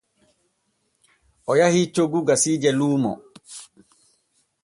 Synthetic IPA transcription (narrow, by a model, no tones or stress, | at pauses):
ʔɔjahit͡ʃoɡuɡasiːd͡ʒɛluːmɔ̰